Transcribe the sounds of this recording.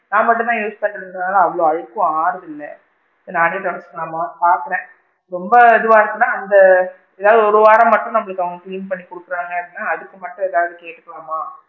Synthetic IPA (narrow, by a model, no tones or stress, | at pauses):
nãːmɐʈːɯ̃t̪ãːjuːspɐːʈːɐɽnaːlaɐʋɐɭoːɐðɯkːʊ̃aːɾðɪlːɐ | naːniɐʈɐɽɐskːɐlaːmaːpaːɾkɐɾẽː | ɾɔmbɐːðɯʋaːɪɾɯkːɯnːaːɐnd̪ɐ | ɛðaːʋɐðɯɔɾɯʋaːɾɐ̃mɐʈːʊ̃nɐmːɐɭɯkːɐʋɐŋɡɐkliːnpɐɳːikʊɽɯkːɯɾaːŋɡɐpːinːaːɐðɯkːɯmɐʈːʊ̃ɛðaːʋɐðɯkeːʈːɯkːɐlaːmaː